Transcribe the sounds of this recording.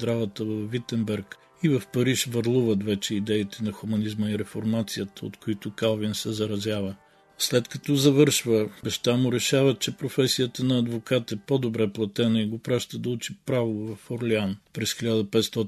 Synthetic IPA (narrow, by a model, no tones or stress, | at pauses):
d̪ɾavət̪əvɐfːit̪ɛmbɛɾk | ivɐfpɐɾiʃvɐɾlˠuvət̪vɛt͡ʃɛid̪ɛit̪ɛnɐxʊmɐnizməiɾɛfoɾmat̪sijət̪əo̰t̪koit̪ʊkalˠvinsɛzɐɾɐzʲjavə | slɛt̪kɐt̪ɔzɐvɤɾʃvəbɐʃt̪amʊɾɛʃavət̪̚t͡ʃɛpɾofɛsijət̪ənɐːd̪vokat̪ɛpod̪obɾɛplˠɐt̪ɛnəiɡopɾaʃt̪əd̪ɐut͡ʃipɾavovɐfoɾlɛanpɾɛsxilʲad̪əpɛt̪st̪ɔt̪